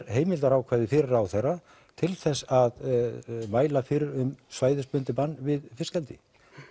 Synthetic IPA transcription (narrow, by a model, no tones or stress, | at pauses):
ɾɦeːjmɪlt̪aɾawkʰvɛðɪfɪɾɪɾawθera | t̪ʰɪlθɛsːað | maːjlafɪɾɪɾʏmsvaːjðɪspʏnt̪ɪpanːvɪðfɪskɛlt̪ɪ